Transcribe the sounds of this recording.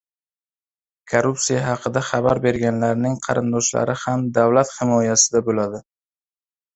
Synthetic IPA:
kʰoɾupsijaɦɑqʰɨd̪aχɑbaɾbe̞ɾɡʲanlaɾnɪŋqʰɑ̰ɾɪnd̪ɒʃla̰ɾɪhamd̪avlat̪hɪmɒjasɪd̪abolad̪ɪ

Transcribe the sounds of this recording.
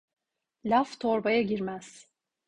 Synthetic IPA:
lʲaft̪ʰoɾbajaɟiɾmæz̥

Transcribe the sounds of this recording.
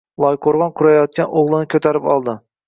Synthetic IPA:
lˠɒjqʰoɾʁɑnqʰʊɾajɒt̪̚kʲanoʁlˠɪnɪkʲʰɵt̪ʰaɾɪpɒlˠd̪ɪ

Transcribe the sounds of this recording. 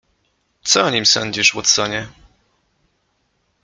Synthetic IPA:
t̪sɔɔɲimsɔɲʲd͡ʑiʂwɔt̪sɔɲɛ

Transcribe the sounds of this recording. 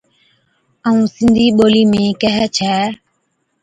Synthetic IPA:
əũːsɪnd̪ʱiːɓoːliːmẽːkɛɦɛt͡ʃʰɛː

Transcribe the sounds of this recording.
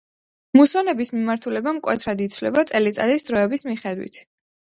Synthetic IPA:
musɔnɛbismimaɾt̪ʰulɛbamkʼwɛt̪ʰɾad̪it̪sʰvlɛ̰bat̪sʼɛlit̪sʼa̰d̪isd̪ɾɔɛbismiχɛd̪wḭt̪ʰ

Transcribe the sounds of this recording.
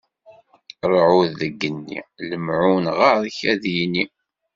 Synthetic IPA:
ɾˤʕuðːəɡːənːḭləmʕunʁəɾˤçæðjini

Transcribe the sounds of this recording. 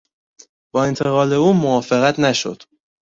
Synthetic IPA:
b̥ɒːe̞nt̪ʰe̞ɣɒːle̞uːmovɒːfe̞ɣæt̪ʰnæʃo̰d̪̥

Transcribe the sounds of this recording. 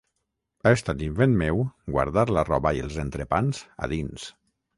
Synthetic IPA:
aest̪at̪iɱfenmewɡwa̰ɾðaɾlarɔβəielˠzent̪ɾepanz̥a̰ðins

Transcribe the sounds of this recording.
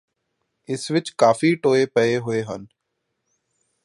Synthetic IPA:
ɪsʋɪt͡ʃkaːfiʈoːepɐeɦʊeɦə̰n

